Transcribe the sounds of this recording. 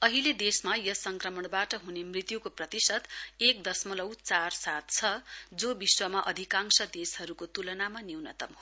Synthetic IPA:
ʌɦiled̪esmajʌsʌŋkrʌmʌɽbaʈʌɦunemrit̪jukoprʌt̪isʌt̪ek̚d̪ʌsmʌlʌwt͡sarsat̪̚t͡sʰʌd͡zobiswʌmaʔʌd̪ʱikaŋsʌd̪eshʌɾukot̪ulʌnamaniwnʌ̰t̪ʌm

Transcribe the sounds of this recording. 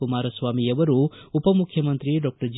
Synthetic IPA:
umaːɾɐsʋaːmijɐʋɐɾuupɐmukʰːjɐmɐnt̪ɾiɖɔk̚ʈɐɾd͡ʒ

